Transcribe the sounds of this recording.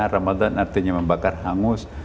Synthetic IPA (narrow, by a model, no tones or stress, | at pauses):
aramad̪anart̪iɲaməmbakarhaŋʊs